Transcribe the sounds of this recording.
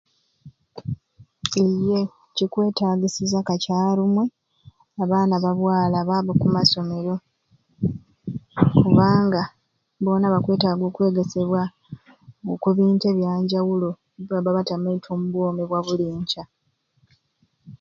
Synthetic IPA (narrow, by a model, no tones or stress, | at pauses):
eje̞ | cikwe̞ːtaːɡisizakacaːɾumwe̞ | aβaːnaβaβwaːlaβaβokumaso̞me̞ɾo̞ | kuβaːŋɡa | βo̞ːnaβakwe̞ːtaːɡo̞ːkwe̞ːɡe̞se̞βwa | okuβiːnte̞βjaːɲɟawulo̞ | βaβaβatameitʰoːmuβwo̞ːmeβwaβuliːɲt͡ʃa